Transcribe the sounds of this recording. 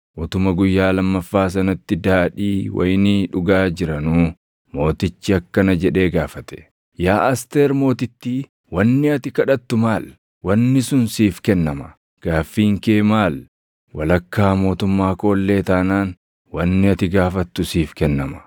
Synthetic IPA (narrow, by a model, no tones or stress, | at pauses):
ʔɔt̪ʊmɐɡʊjːaːlɐmːɐfːaːs̬ɐnɐt̪ːɪd̪aːᶑiːwʔɐ̰jniᶑʊɡaːd͡ʒɪɾɐnuː | mo̞ːt̪ɪt͡ʃːɪɐkːɐnɐd͡ʒɛᶑe̞ːɡaːfɐt̪ɛ̥ | jaːʔɐst̪eːɾmo̞ːt̪ɪt̪ːi | wɐnːɪɐt̪ɪkɐᶑɐt̪ːʊmaːl | wɐnːɪsʊnsiːfkɛnːɐmɐ | ɡ̥aːfːiːŋkeːmaːl | wɐlɐkːaːmo̞ːt̪ʊmːaːko̞ːlːe̞ːt̪aːnaːn | wɐnːɪɐt̪ɪɡaːfɐt̪ːʊsiːfkɛnːɐmɐ̥